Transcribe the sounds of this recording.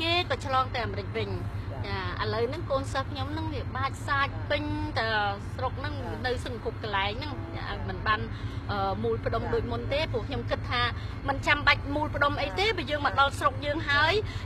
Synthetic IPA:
keːkɑːt͡ɕʰlɑːŋt̪aɛʔaːmɾɨc̚ʋɨɲt͡ɕaːʔələwnɨŋkoːnsəːhkʰɲomnɨŋʋiəɓaːc̚saːc̚pɨɲt̪asrok̚nɨŋ | nɨwsɨŋkʰup̚kalaɛŋnɨŋt͡ɕa̰ʔa̰ɔj̚mɨnɓaːn | ʔəːmuːlpə̆ɗomɗoːc̚munt̪eːpŭəkʰɲomkɨt̪ʰːaː | mɨnt͡ɕamɓac̚muːlpə̆ɗomʔəjt̪eːɓaəjəːŋmɔɗɑlsrok̚jəːŋɦaəj

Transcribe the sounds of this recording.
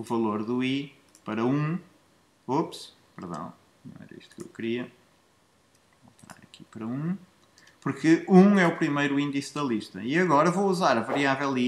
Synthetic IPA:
uvɐlˠoɾðui | pɐɾɐũ | ops | pɨɾðɐ̰̃w̃ | nɐ̃w̃ɛ̰ɾɐ̰ḭʃt̪u̥kḛwkɾiɐ | lˠt̪ɨɾa̰ɾɐki̥pɐɾɐũ | puɾkɨũɛupɾimejɾuĩnd̪isðɐlˠiʃt̪ɐiɐɣɔɾɐvowuzaɾɐvɐɾiavɛlˠi

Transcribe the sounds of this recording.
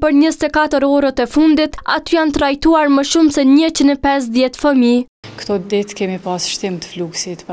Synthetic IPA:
pəɾɲəsɛt̪ɛkat̪əɾɔɾət̪ɛfund̪it̪a̰t̪yjant̪ɾajt̪uaɾməʃumsɛɲət͡ɕinɛpɛs̬ðjɛt̪fəmi | kt̪ɔd̪it̪kɛmipasʃt̪imt̪ə̥fluksit̪

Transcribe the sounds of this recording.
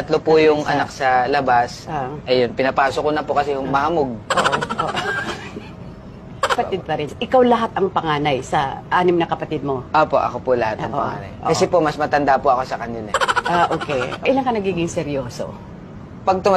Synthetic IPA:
ɐt̪lopʊjʊŋɐ̰nak̚sɐlɐbasʔɐjonpɪnɐpaːsokonɐpʊkɐsɛjʊŋmɐhɐmoɡ̚ʔoʔʔoʔoʔ | ɐpɐɪd̪̚pɐɾɪnʔɪkawlɐɦat̪ɐŋpɐŋaːnɐjsɐʔaːnɪmnɐkɐpɐt̪ɪd̪̚mo̞ʔoːpo̞ʔɐ̰kopʊlɐhat̪ɐŋʔpɐ̰ŋa̰ːnɐ̰jʔo̰kɐsɛpomɐsmɐt̪ɐnd̪apoʔɐko̞sɐkɐnɪla̰ʔaʔoːkɛʔɪlɐŋkɐnɐɡiːɡɪŋsɛɾjoːso̰ | pɐɡ̚t̪ʊma

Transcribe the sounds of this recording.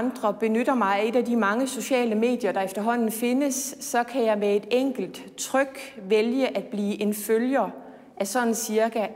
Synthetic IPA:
nd̥ʁɐb̥e̝nøɾ̥ɐmɑ̈ɪe̝d̥ædimɑ̈ŋəso̝ɕɛ̰ːləme̝̰ːd̥jɐɾ̥ɑ̈efd̥ɐɦɒ̽n̰n̩fe̝nəsːɒ̽kʰæjɑ̈ɪmee̝d̥eŋ̰ɡ̥l̩d̥ | t͡sʰʁœɡ̥ʋeljəʔæd̥̚b̥liːʔe̝nføljɐ | ʔæsɒ̽n̰n̩siɐkʰæ

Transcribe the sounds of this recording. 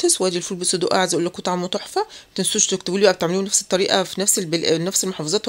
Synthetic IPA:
t̪eswʔæːd̪ilfuːlbesˤod̪ṵʔʕazʔuːlːækot̪ɑʕamːot̪ˤoħfæt̪ensuːʃt̪ekt̪ebuːlibæʔbet̪eʕmelunæfset̪ˤːɑɾiːʔɑ̰finæfsebnæfselmoħɑfɑzˤɑːt̪

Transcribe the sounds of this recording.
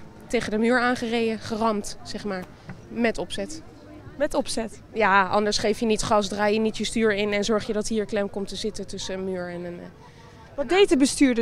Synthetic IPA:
tejχədəmyːɹaːnχərejəχərɑmtsɛχmaːɹ | mɛtɔpsɛt | mɛtɔpsɛt | jaːʔɑ̰ndəɹsχejfjənitχɑsdraːjənitjəstyːɹɪnɛnzɔɹχjədɑtɦiːɹklɛmkɔmtəzɪtətɵsənmyːɹɛnən | ʋ̚dejtəbəstyːɹdə

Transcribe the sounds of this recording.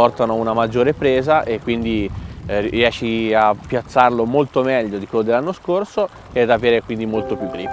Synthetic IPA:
ɔrt̪anounamad͡ʒːoːɾepɾeːzaʔekːwind̪i | riɛʃːiapːjat̪sːarlomolt̪omɛʎːod̪ikwelːod̪elanːoskorso | ɛd̪aveːɾekwind̪imolt̪opjukːli

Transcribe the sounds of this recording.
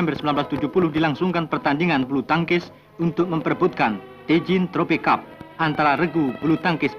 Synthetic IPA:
ɛmbərsəmbilanblast̪ud͡ʒuhpulʊhdilaŋsuŋkanpərt̪andiŋanbulut̪aŋkɪs | unt̪ʊk̚məmpərbʊt̪̚kan | t̪ed͡ʒɪnt̪ɾopikap̚ʔant̪aɾaɾəɡupulut̪aŋkɪs

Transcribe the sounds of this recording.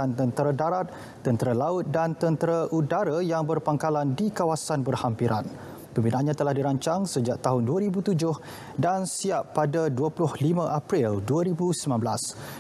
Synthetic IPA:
ant̪ənt̪əɾadaɾat̪̚ː | ənt̪əɾalaʊt̪̚dant̪ənt̪əɾaʔudaɾajaŋbərpaŋkalandikawasanbərhampiɾa̰n | pəmbinaʔanɲãt̪əlahdiɾaɲt͡ʃaŋsəd͡ʒaʔ̚t̪aɦʊnduaɾibut̪ud͡ʒʊh | dansiapːadaduəpulʊhlimãʔapɾilduaɾibusəmãnbəlas

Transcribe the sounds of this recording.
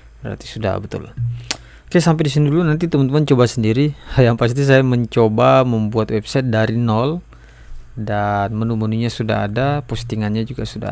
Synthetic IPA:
bəɾa̰rt̪i̥suda̰bət̪ʊ̰l | kajasampɛdisinidulunant̪it̪əmənt̪əmaɲt͡ʃobasəndiɾijaŋpas̬it̪is̬ajaməɲt͡ʃobaməmbuat̪̚wɛpsajt̪̚daɾinɔl | danmənumunuɲasuda̰ɦa̰dapust̪iŋanɲad͡ʒuɡasuda̰

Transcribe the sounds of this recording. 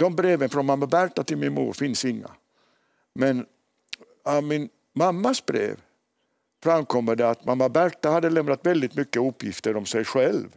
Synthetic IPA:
d̪̥ɔmbɾeːvənfɾɔnmamːabæɾʈːat̪ɪlmɪnmṵːɾfɪnsɪŋːa̰ | mɛn | amɪn | mamːasbɾḛːv | fɾamkʰɔmːəɖɛat̪mamːabæɾʈːahad̪ːəlɛmnat̪vɛld̪ɪt̪mʏkːəɵpːjɪft̪əɾɔmsɛjɧɛlv

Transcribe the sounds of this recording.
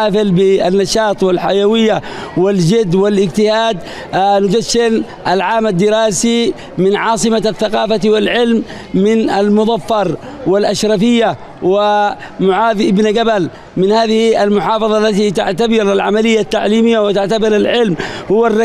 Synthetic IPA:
aːfɪlbɪanːɑʃɑːt̪ˤwɪlħajawɪjːawɪld͡ʒɪd̪ːwɪlʔɪɡt̪ɪhaːd̪ | nʊd͡ʒaʃːɪn | ʔalʕaːmad̪ːɪɾaːsi | mɪnʕɑːsˤɨmaθːaqɑːfawɪlʕɪlm | mɪnalmʊd̪ˤɑfːɑɾˤ | wɪlʔaʃɾɑfɪjːa | wɪ | mʊʕaːðʔɪbnɡabal | mɪnhaːðɪhialmʊħɑːfɑðˤɑlːat̪it̪aʕt̪abɪɾalʕamalɪjːat̪ːaʕliːmɪjːawɪt̪aʕt̪abɪɾalʕɪlmhʊwːarːɑ

